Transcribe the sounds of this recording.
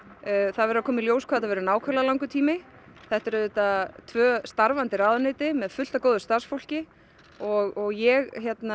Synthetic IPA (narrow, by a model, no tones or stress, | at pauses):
θaðvɛɾakʰɔːmɪljoːwskʰaːt̪avɛɾʏnaːwkʰœlalawŋkʏt̪ʰiːmɪ | θɛht̪ɛɾʏðʏt̪at̪ʰvœːst̪aɾvant̪ɪɾaːðanɪːt̪ɪmɛðfʏl̥t̪akoːwðʏst̪aɾsfowl̥cɪ | ɔɣɔɣjɛɣçjɛt̪na